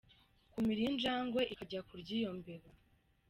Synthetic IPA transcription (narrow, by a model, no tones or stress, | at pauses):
kumiɾind͡ʒaːŋɡwe̞ʔikaɟakuɾɟiːjo̞mbe̞βa